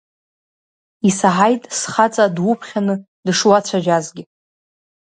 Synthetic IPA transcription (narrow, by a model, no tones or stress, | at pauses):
isaħajtʼsχat͡sʼadwʊpʰχʲanɨ | dʂwat͡ɕʷʰaʒᶣazɡʲɪ